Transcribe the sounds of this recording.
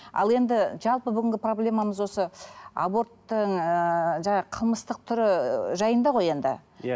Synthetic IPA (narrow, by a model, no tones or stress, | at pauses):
ɑ̰lˠe̞nd̪ɪʒɑlˠpəbʏɡʲɪŋɡʲɪpro̞blʲe̞mɑməzwo̞səa̰bo̞ɾt̪ːəɴəʒɑɴɑqʰəlˠməst̪əq̚t̪ʰʏɾɪʒɑjənd̪ɑʁo̞je̞nd̪ɪ̰